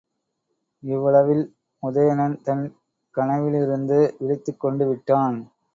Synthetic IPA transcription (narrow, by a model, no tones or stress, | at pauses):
ɪʋːɐɭɐʋɪl | mʊðɐjɐnɐnt̪ɐn | kɐnɐʋɪlɪɾɯnd̪ɯʋɪɭɪt̪ːɯkːɔɳɖɯʋɪʈːaːn